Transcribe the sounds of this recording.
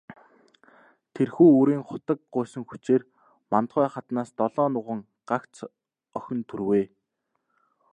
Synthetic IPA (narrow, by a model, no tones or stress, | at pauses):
t̪ʰerxuːuɾiːŋχʊt̪ə̆k̚ɢʊːsɵ̆ŋxu̥t͡ɕeːr | mant̪χæːχat̪naːst̪ɔɮɔːnʊʁə̆ŋ | ɢ̥akt͡s | œxʲɵ̆nt̪ʰurweː